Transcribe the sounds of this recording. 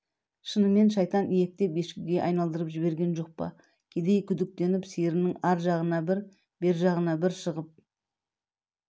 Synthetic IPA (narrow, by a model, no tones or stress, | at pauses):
ʃənəme̞nʃɑjt̪ɑnʔijek̚t̪e̞pje̞ʃkʲɪɡʲe̞ʔɑjn̪ɑlˠd̪əɾəpʒɪbe̞ɾɡʲe̞nʒo̞q̚pɑ̰ | kʲʰe̞d̪e̞jkʲʰʏd̪ɪk̚t̪e̞nɪpsejɾɪnɪŋɑɾʒɑʁənɑbɪɾ | be̞ɾʒɑʁənɑbɪɾʃəʁəp̚